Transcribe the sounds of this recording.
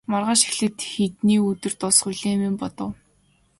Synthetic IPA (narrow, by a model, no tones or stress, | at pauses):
marʁaːʃi̥xɮɘ̆t̪xet̪niːɵt̪ɘ̆r̥t̪ɔsχʊɮeːmɪmpɔt̪ɞ̆w